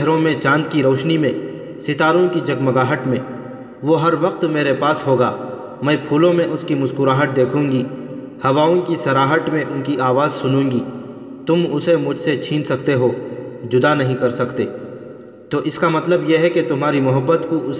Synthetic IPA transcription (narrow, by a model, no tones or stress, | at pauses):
ɦɾõmẽt͡ʃãːnd̪kiɾoːʃnimẽ | sɪt̪aːɾõkid͡ʒɐɡmɐɡaːɦəʈmẽ | ʋoɦɐɾʋɐqt̪meːɾepaːsɦoːɡaː | mɛ̃ːpʰuːlõmẽʔʊskimʊskʊɾaːɦəʈ̚d̪eːkʰũːŋɡi | hɐʋaːõkisɐɾaːɦəʈmẽʔʊnkiʔaːʋaːzsʊnũːŋɡi | t̪ʊmʊsemʊd͡ʒʱset͡ʃʰĩːnsɐkt̪eɦoːd͡ʒʊd̪anɐɦĩkɐɾsɐkt̪eː | t̪oːʔɪskamɐt̪ləbjeɦɛket̪ʊmɦaːɾimʊɦəbːət̪kuʔʊs